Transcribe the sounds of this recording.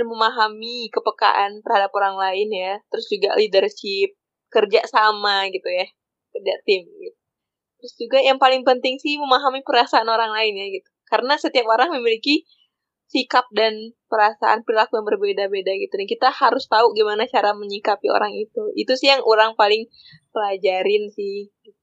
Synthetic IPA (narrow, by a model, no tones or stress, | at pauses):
məmaɦamikəpəka̰ʔant̪ərhadapoɾaŋlaɪnjat̪əɾʊsd͡ʒuɡa̰lidərʃɪp̚ | kərd͡ʒaʔsamaɡit̪uja | kərd͡ʒat̪ɪmɡit̪̚u̥ | t̪əɾʊsd͡ʒuɡajaŋpalɪŋpənt̪ɪŋsɪhməmaɦamipəɾasaːnoɾaŋlaɪnjaɡit̪u̥kaɾənasət̪iapoɾaŋməmiliki | sikap̚danpəɾasa̰ʔa̰npɾilakujaŋbərbedabedaɡit̪udankit̪ahaɾʊst̪auɡimanat͡ʃaɾaməɲikapio̰ɾaŋit̪uḭt̪usɪhjaŋoɾaŋpalɪŋ | pəlad͡ʒaɾɪnsɪhɡi